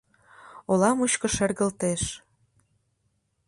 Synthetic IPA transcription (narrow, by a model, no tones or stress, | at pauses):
olɑmuɕkə̆ʃerɣə̆lt̪eʃ